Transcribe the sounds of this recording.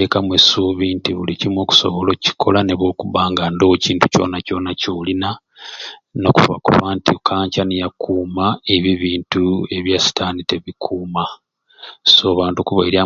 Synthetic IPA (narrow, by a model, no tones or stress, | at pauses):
ekamwesuːβintiβṵlicimwo̞ːku̥so̞̰βo̞loci̥kʰo̞laneβokuβaːŋɡandociːntu̥co̞̰naco̞nacoːlina | no̞kuva̰kṵβaːntikʰaːɲcanijakuːmaeβiβiːntue̞βjasi̥tʰaːnite̞βikʰuːma | soːβaːntukuβaiɾa